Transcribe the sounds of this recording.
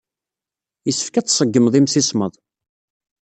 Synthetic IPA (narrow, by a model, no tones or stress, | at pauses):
jəsːə̥fkæt͡sːsˤəɡːəmðˤimsisməðˤ